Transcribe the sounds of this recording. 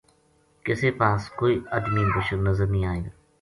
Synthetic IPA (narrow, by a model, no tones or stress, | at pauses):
kɪseːpaːskoːiːəd̪miːbʊʃəɾnəzəɾnəĩːaːẽː